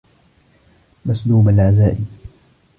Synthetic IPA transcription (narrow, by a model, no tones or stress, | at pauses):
masluːbalʕazaːʔɪ